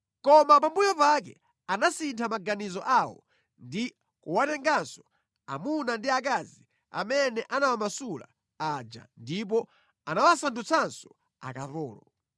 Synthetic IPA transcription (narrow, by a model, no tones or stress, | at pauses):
kɔmapambujɔpak̬ɛ̰ | anasintʰamaɡanizɔʔawɔ̰ | ndi | kuwatɛŋɡansɔ̥ | a̰munandiak̬azi | a̰mɛnɛʔanawamasula̰ | ad͡ʒa̰ndip̬ɔ | anawasantut͡sʰansɔ̥ | a̰kaθɔːlɔ